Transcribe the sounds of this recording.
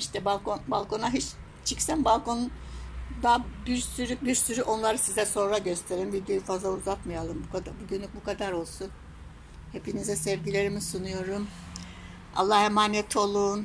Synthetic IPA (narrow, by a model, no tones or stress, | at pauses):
iʃt̪ʰɛbalˠkonbalˠkʰo̞naɦit͡ʃ | t͡ʃʰicsænbalˠko̞nun | d̪abiɾsyɾybiɾsyɾyʔo̞nlˠaɾɯsizɛso̞nɾɾaɟøst̪ʰe̞ɾimvid̪jøjufazlˠauzat̪majalˠɯmbukad̪abuɟynlʲyk̚bukʰad̪aɾo̞lˠsun | hepinizɛsɛvɟilʲeɾimisunujo̞ɾum | a̰lˠːahemaːnɛt̪ʰo̞lˠun